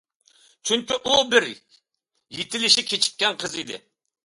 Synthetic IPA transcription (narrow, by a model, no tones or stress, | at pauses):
t͡ʃʰyŋkʲiʔubɪɾ | jet̪ʰɪlɪʃikʲʰet͡ʃʰi̥t̪̚kʲɛnqʰəzid̪ɪ̰